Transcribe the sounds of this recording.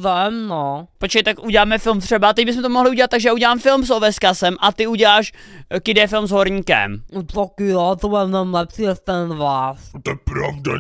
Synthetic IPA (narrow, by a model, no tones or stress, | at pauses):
vɛmnopot͡ʃkɛt̪akʔuɟɛlaːmɛfɪlmt̪r̥ɛbat̪ɛɟ̚bɪs̬mɛt̪omoɦlɪuɟɛlat̪t̪aɡʒɛjauɟɛlaːmfɪlmsovɛskasɛmʔat̪ɪuɟɛlaːʃkɪdɛfɪlmzɦoɾɲiːkɛ̰mnot̪akɪjot̪obɛnɛmlɛpsiɛst̪ɛnvaːst̪ɛpɾavda̰